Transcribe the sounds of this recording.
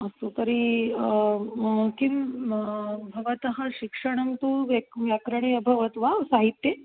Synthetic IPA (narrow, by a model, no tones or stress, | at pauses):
ɐsot̪ɐɾi | kim | bʱɐʋɐt̪ɐɦɐɕikʂɐɽ̃ɐmt̪uʋekʋjakɾɐɳ̃eɐbʱɐʋɐt̪ʋasaɦit̪ːje